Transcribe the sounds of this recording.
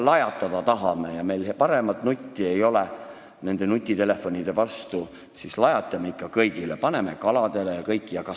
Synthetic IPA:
lɑjɑt̪ːˑɑd̪̥ɑt̪ɑɦɑme̞jɑme̞jlpɑɾe̞mɑt̪nut̪ʲːie̞jo̞le | ne̞nd̪e̞nut̪ʲːˑit̪e̞le̞fːo̞nʲid̪̥e̞vɑst̪u | sislɑjɑt̪ːˑɑmeikːˑɑkɤjɡ̥ilepɑne̞me̞kɑlɑd̪̥e̞lejɑkɤjkˑːijɑkɑ

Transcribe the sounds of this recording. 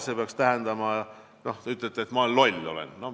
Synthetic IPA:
sepeɑkst̪æɦɛnd̪̥ɑmɑjɑ | no̞ht̪eyt̪ːˑlet̪ːeet̪mɑlolʲːo̞̰lḛnno

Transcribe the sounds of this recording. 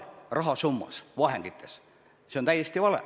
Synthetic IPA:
rɑɦɑsumːɑ̰sʋɑhend̪it̪ːe̥s | seont̪æijest̪iʋɑlḛ

